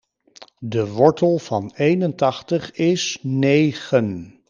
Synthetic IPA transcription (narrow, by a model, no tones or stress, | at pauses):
dəʋɔɹtəlˠv̥ɑnejnəntɑχtəχɪsːejχən